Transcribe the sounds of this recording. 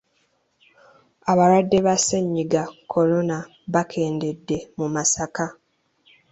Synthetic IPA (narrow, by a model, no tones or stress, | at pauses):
aβaɾwadːe̞βaseɲːiɡakʰo̞lo̞na | βakʰe̞ːnde̞dːe̞mumasaka